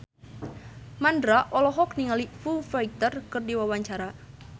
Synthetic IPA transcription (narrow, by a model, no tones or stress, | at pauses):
mandɾaʔɔlɔɦɔkniŋalifufajt̪ərkɨrdiwawaɲt͡ʃaɾa